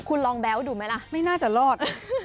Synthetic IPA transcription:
kʰu˧nlɔː˧ŋbɛː˦˥wduː˧ma˦˥jla˦˥ma˥˩jnaː˥˩t͡ɕa˨˩ʔlɔː˥˩t̪̚

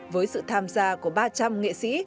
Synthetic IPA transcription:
vəː˨˦jsɨ̰˧˨t̪ʰaː˧mzaː˧ku˧˩əɓaː˧t͡ɕa˧mŋḛ˧˨sḭ˧˥

